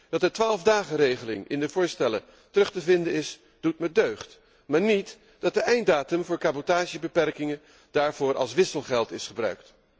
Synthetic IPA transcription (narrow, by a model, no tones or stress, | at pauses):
d̥ɑtdətʋaːlˠvdaːχərejχəlɪ̰ŋɪ̰ndəvʊːɹstɛlə | tərɵχtəvɪndənɪs | d̥utmədøɥχt | maːɹnit | d̥ɑt̚dəʔɛjndaːtəmvʊːɹkabotaːʒəbəpɛrkɪŋə | d̥aːɹvʊːɹʔɑ̰lˠsʋɪsəlˠχɛlˠtɪsχəbrœ̰ɥkt